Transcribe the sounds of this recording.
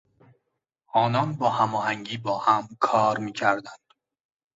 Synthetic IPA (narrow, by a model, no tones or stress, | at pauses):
ʔɒːnɒːnbɒːhæmɒːɦæŋɟiːbɒːhæmkʰɒːɾmiːcʰæɾd̪ænd̪̥